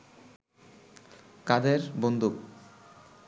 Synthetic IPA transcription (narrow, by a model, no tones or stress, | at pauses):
kad̪eɾbond̪uk